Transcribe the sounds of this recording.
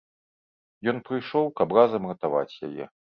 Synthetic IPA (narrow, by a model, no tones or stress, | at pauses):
jɔnpɾɨjʂɔwkɐbrazɐmɣɐt̪ava̰t͡sʲja̰jɛ̰